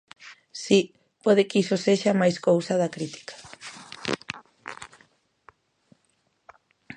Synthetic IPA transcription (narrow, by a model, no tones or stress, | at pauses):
si | pɔð̞ɪkisoseʃamajskowsɐðɐkɾit̪i̥kḁ